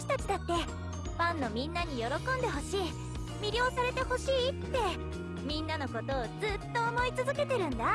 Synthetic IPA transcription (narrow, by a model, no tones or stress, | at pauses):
ɕi̥t̪at͡ɕi̥d̪at̪ːe̞ | pãnːo̞mʲĩnːaɲ̟ijo̞ɾo̞kõ̞nd̪e̞ɦo̞ɕiː | mʲiɾʲjo̞ːsaɾe̞t̪e̞ho̞ɕiːt̪ːe̞ | mʲĩnːano̞ko̞t̪o̞ːd͡zɨt̪ːo̞ːmo̞it͡sɨzɨke̞t̪e̞ɾɯ̟̃nd̪a